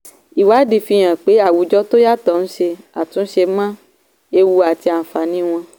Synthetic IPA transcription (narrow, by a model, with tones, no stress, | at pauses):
i˨wa˨˦di˨fi˧j̃ã˨k͡pe˨˦a˦˨wu˨˦d͡ʒɔ˦to˦ja˦tɔ˦˨n̩˦ʃe˧ | a˨tũ˨˦n̩˦ʃe˧˦mã˦ | e˧wu˧a˨ti˧a˨n̩˨fa˨nĩ˨˦w̃ɔ̃˧